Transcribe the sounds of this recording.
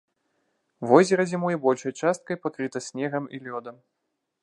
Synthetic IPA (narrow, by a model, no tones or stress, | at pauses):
vɔzʲɛɾɐzʲimujɛbɔlʲʂɐjt͡ʂast̪̚kɐjpakɾɨt̪ɐsʲnʲɛɣɐmḭlʲɔd̪ɐm